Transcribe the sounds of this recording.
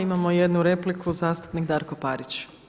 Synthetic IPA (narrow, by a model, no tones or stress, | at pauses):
imamojed̪nuɾe̞plikʰuzaːst̪u̥pnikd̪aːɾko̞pa̰ɾit͡ɕ